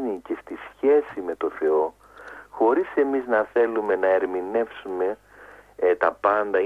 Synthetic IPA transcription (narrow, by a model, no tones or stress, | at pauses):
nicest̪isçe̞sime̞t̪o̞θe̞o̞ | xo̞ɾise̞miznɐθe̞lume̞nɐe̞ɾmine̞fsume̞ | t̪ɐpɐnd̪ɐ